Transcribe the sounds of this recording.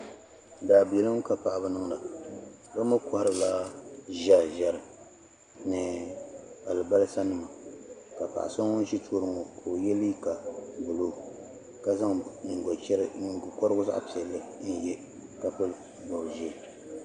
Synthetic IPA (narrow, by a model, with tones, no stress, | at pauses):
daː˨bi˨ɛ˨lɨ˦m˦ka˨pa˨ʔa˨ba˦nɨ˦ŋ˦la˨ | ba˦mʊ˦kɔ˦ha˦ɾɨ˦la˦ʒa˦˨ʒɛ˦ɾɨ˨ | nɨ˨ | a˨lɨ˨ba˦lɨ˦sa˦nɨ˨ma˨ka˨pa̰˨ʔa̰˨sa˦ŋɔ˦n˦ʒi˦tʰoː˦ɾɨ˨ŋɔ˨kʰo˨o˨jɛ˦li˦ka˨bʊ˨lo˦ | ka˦za˦ŋ̩˨ɡɔ˨t͡ʃɛ˦ɾɡkɔ˦ɾɨ˦ɡʊ˦za̰˦ʔpi˨ɛ˨lːɨ˦n̩˦jɛ˦ | ka˦pɨ˦l | bɔ˨ʒi˦˨